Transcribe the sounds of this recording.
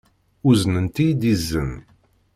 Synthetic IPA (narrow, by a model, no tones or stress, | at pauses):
uznənt̪id̪izːən